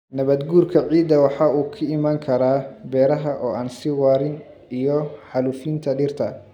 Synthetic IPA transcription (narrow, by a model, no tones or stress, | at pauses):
nɐβɐd̪ɡuːrkʰɐʕiːd̪ɐwɑħɑːuːkʰɐɪmaːŋkʰɐɾaːbɛːɾɐɦɐʔɔːʔaːnsɪwaːɾɪn | ijɔħɑlufint̪ʰɐɖɪːrt̪ʰɐ